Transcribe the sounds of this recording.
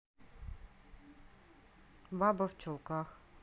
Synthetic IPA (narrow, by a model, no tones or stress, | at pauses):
bɑbɐwt͡ʃɔlˠkax